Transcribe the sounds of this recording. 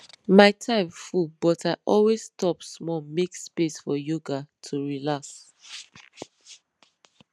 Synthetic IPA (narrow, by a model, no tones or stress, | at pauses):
maɪtʰãɪ̃mfubɔtaɪʔɔlwezstɔpsmɔmekspesfɔjoɡatʰuɹilaks